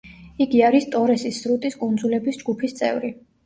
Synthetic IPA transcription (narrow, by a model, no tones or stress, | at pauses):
iɡiaɾist̪ʼɔɾɛsisːɾut̪ʼiskʼund̪zulɛbisd͡ʒɡupʰist̪sʼɛ̰vɾi